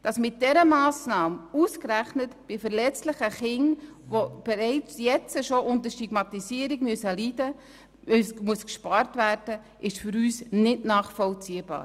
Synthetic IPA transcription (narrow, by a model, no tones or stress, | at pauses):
d̥ɑsmɪt̚d̥ɛɾəmɑːsnɑːmuskræχnətb̥ɪfəɾlɛt͡stlɪχəχɪŋʋob̥ɛɾɛɪt͡sjɛt͡səʃoʔʊntəʃtiɡmɑtisiəɾɪɡmyəsəliːdə | smuəskʃpɑɾtvæːrd̥ə | ʔɪʃfʏɾyːsnɪtnɑːχfɔlt͡siːəbɑ̰ːɾ